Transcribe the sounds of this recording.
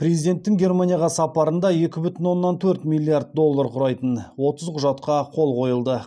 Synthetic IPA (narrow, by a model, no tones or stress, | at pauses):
pɾe̞zijd̪e̞nt̪ːɪŋɡʲe̞rmanʲijaɑʁɑsɑpɑɾənd̪ɑje̞kʲɪbʏt̪ɪnwo̞nːɑnt̪ʰɵɾt̪mijlʲːijaɾd̪̚d̪o̞lˠːaɾqʰʊɾɑjt̪ənwo̞t̪əzqʰʊʒɑt̪qɑqʰo̞lˠqʰo̞jəlˠd̪ə